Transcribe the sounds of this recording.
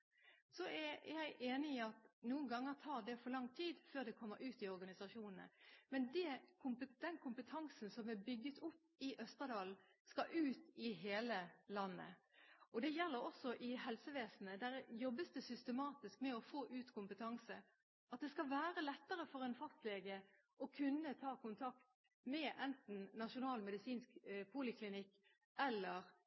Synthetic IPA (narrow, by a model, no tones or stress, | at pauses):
sɔæjæɪʔeːnɪɪɑt̪nuːənɡɑŋːəʁt̪ʰɑːʁd̪ɛfɔɾlɑŋːt̪ʰiːd̪føːʁd̪ɛkʰɔmːəɾʉːt̪ɪɔɾɡɑnɪsɑʂuːnənə̰mɛnd̪ɛkʰʊmpəd̪̥ɛnkʰʊmpət̪ʰɑŋsən̩sɔmɛbʏɡːət̪ʰʊpːɪʔœst̪əd̪ɑːlskɑʔʉːt̪ɪɦeːləlɑnːə̰ɔd̪ɛjɛlːəɾɔsɔʔɪɦɛlsəʋeːsn̩əd̪æɾjɔbːəsd̪ɛsʏst̪əmɑːt̪ɪskmɛɔfoːʔʉːt̪kʰʊmpət̪ʰɑŋsə | ɑt̪̚d̪ɛskɑʋæːɾəlɛt̪ːəɾəfɔɾɛnfɑst̪leːɡə | ʔɔkʰʉnːət̪ʰɑːkʊnt̪ʰɑkt̪ | mɛʔɛnt̪n̩nɑʂʊnɑːlmɛd̪ɪsiːnskpʰʊlɪkʰlɪnɪkː | ɛlːəɾ